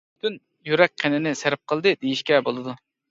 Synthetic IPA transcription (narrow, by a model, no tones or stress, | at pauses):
byt̪ʰyn | jyɾɛk̚ʲqʰenɪnɪsæɾɪp̚qʰəlˠd̪ɨd̪ejiʃkʲɛbolˠɨd̪u